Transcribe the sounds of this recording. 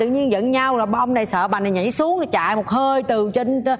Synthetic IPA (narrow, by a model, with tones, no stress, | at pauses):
ɨ̰˧˨ɲi˧ənzə̰˧˨˥nɲa˧wɔ˨˩jɓa˧ʔə˧wŋ͡mna˨˩jsə̰ː˧˨ɓaː˨˩na˨˩ŋḭ˧˥su˨˦əŋ˨˩t͡ɕa̰ː˧˨jmo˨˩t̚həː˧jt̪ɨ˨˩t͡ɕi˧n˧˦